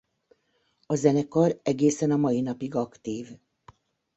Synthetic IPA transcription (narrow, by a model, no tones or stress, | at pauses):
ɒzɛnɛkɒɾɛɡeːsɛnɒmɒjinɒpiɡɒkt̪iːv